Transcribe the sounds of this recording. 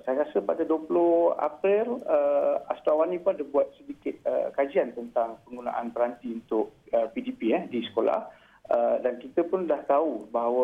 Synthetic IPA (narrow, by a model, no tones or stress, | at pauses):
sajəɾasəpadaduəpulʊha̰pɾɪləast̪awanĩpʊnadəbuat̪̚sədikɪt̪̚ə̰kad͡ʒiant̪ənt̪aŋpəŋɡuna̰ʔa̰npəɾant̪iunt̪ʊʔ̚əpidipiɛdisə̥kola̰h | ədankit̪əpʊnlaht̪aubaɦawə